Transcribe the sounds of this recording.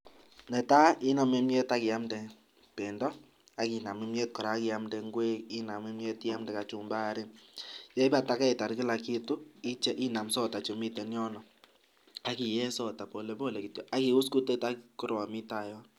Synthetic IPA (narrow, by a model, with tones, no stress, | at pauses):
nɛ˨ta˦i˦nɔ˨me˦mjɛ˦ta˦kɪ˨a˦mdɛ˨ | pe˨ndɔ˦ | a˦ki˨na˨me˦mje˦t̚kɔ˨ɾa˨˦ki˨˦a˦mdɛ˨˧ŋɡwe˦i˦na˨me˦mjɛ˦ti˦ja˦mdɛ˨ka˨t͡ʃu˨mba˦ɾi˦njɛ˦i˦pa˦˨ta˦kɛ˦i˨ta˨ɾki˦la˨ki˦tu˦i˦t͡ʃɛ˦ʔi˦na˨msɔ˦ta˨t͡ʃo˨mi˦tɛ˨njɔ˦nɔ˨ | a˨ki˨jɛ˦sɔ˦ta˨po˨le˨˦bo˦˨le˨ki˨tjɔ˨ʔa˦ki˨˦u˦sku˦te˦ta˦ku˦ɾɔ˨mi˦ta˨jɔ˦